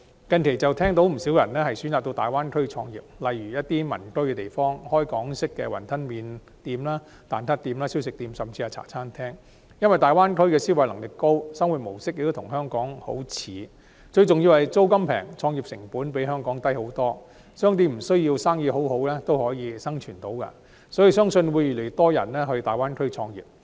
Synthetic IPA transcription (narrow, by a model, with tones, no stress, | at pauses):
kɐ˨˧nkʰe˨˩jt͡sɐ˨wt̪ʰɛː˥ŋt̪o˨˥wm̩˨˩siː˨˥wjɐ̰˨˩nlɛː˥hɐ˨jsy˨˥nt͡saː˨k̚t̪o˧wt̪aː˨jwaː˥nkʰɵ˥ɥt͡ʃʰɔː˧ŋjḭː˨p̚lɐ˨jɥyː˨˩jɐ˥t̚t̪iː˥mɐ̰˨˩nkɵ˥ɥkɛ˧t̪e˨˩jfɔː˥ŋhɔː˥jkɔː˨˥ŋsɪ˥kːɛ̰ː˧wɐ˨˩nt̪ʰɐ˥nmiː˨˧n | t̪iː˧mlaː˥ | t̪aː˨˩nt̪ʰɐ˥t̚t̪iː˧mlaː˥si˥wsɪ˨k̚t̪iː˧msɐ˨mt͡si˧aː˧t͡sʰa̰ː˨˩t͡sʰaː˥nt̪ʰɛː˥ŋ | jɐ˥nwɐ˨jt̪aː˨jwaː˥nkʰɵ˥ɥkɛː˧siː˥wɐ˨jlɐ˨˩ŋlɪ˨˩kːo˥wsɐ˥ŋwuː˨t̚mo˨˩wsɪ˥k̚jɪ˨kt̪o˥tʰʊ˨˩ŋɦœː˥ŋkɔː˨˥ŋho̰˨˥wt͡sʰiː˨˥ | t͡ʃɵ˧ɥt͡sʊ˨ŋji˧whɐ˨jt͡so˥wkɐ˥mpʰɛ̰ː˨˩ŋt͡sʰɔː˧ŋji˨p̚sɪ̰˨˩ŋpuː˨˥npe˨˥jɦœː˥ŋkɔː˨˥ŋt̪ɐ˥jho˨˥wt̪ɔː˥ | sœː˥ŋt̪̬iː˥m̩˨˩sɵ˥ɥji˧wsaː˥ŋjiː˨˧ɦo˨˥wɦo˨˥wlɛː˥t̪o˥whɔː˨˥jiː˨˧sɐ˥ŋt͡ʃʰyː˨˩nt̪o˨˥wkɐ̰˧ | sɔ˨˥ji˨˧sœː˥ŋsɵ˧nwuː˨˧jyː˨˩le˨˩jt̪ɔː˥jɐ̰˨˩nlɛː˥ɦɵ˧ɥt̪aː˨˩jwaː˥nkʰɵ˥ɥt͡ʃʰɔː˧ŋjḭː˨p̚